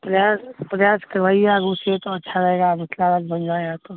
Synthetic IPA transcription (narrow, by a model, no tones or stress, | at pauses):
pɾɐjaːspɾɐjaːskɐɾʋaːiaɡũset̪oɐtːʃʰaɾɐɦeːɡamɪslaɾəkbənd͡ʒaeɡat̪o